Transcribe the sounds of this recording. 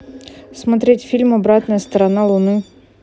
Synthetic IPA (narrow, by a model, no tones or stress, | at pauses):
smɐt̪ɾʲɛtʲfʲilʲmɔbɾɑt̪nɔjɐst̪ɐɾɐnɑlˠʊnɪ